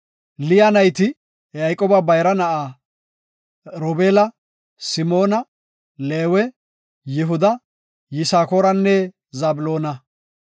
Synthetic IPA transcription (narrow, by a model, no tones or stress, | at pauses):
lɪjaːnɐjt̪ɪ | jajkʼːɔːbɐbɐjɾɐnɐʔaː | ɾoːbeːlɐ | sɪmo̞ːnɐ | leːwɛ | jɪɦʊd̪ɐ | jɪsaːkoːɾɐnːɛ | zɐbʊlo̞ːnɐ